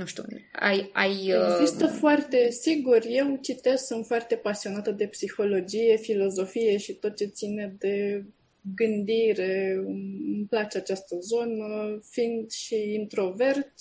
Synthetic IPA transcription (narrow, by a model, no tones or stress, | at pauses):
nuʃt̪ṵa̰ja̰jeɡzistt̪əfoart̪e̞siɡurʲje̞wt͡ʃit̪e̞z̥sɨnt̪foart̪e̞pasio̞nat̪əd̪e̞psixo̞lo̞d͡ʒije̞filo̞zo̞fije̞ʃit̪ot̪̚t͡ʃe̞t̪sined̪e̞ | ɡɨnd̪iɾe̞ | ɨmplat͡ʃeat͡ʃast̪əzo̞nəfind̪ʃiint̪ɾo̞ve̞rt̪ʲ